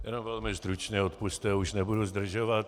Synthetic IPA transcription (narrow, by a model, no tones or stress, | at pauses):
jɛ̰nomvɛlmɪsd̪ɾut͡ʃɲɛot̪pust̪ɛuʃnɛbuduzd̪r̩ʒovat̪